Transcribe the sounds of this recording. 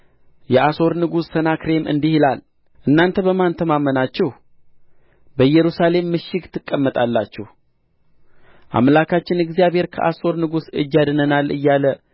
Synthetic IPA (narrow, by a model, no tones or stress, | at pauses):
jɛʔaso̞ɾnɨɡusːənakɾe̞mɨ̰nd̪ihilal | ʔɨnːant̪ʰəβəmant̪ʰəmamːənat͡ʃːɛh | bəjɛɾusale̞mːɨʃːɪɡt̪ʰɨkʼːəmːət̪ʼalːat͡ʃːɛh | ʔa̰mlakʰat͡ʃːɪnɛɡzijabhe̞ɾkʰə̰ʔaso̞ɾnɨɡusɨd͡ʒːad̪nənalʔɨ̰jːalə